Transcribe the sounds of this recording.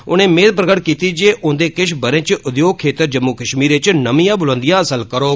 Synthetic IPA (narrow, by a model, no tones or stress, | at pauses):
ʊnẽːmẽːd̪̚pɾəɡəʈkiːt̪iːd͡ʒeːʔʊ̃nd̪eːkɪʃbəɾẽːt͡ʃʊd̪joːɡ̚kʰːeːt̪əɾd͡ʒəmːukəʃmiːɾɪt͡ʃnəmijãːbʊlə̃ːnd̪ijãːəsəlkəɾoː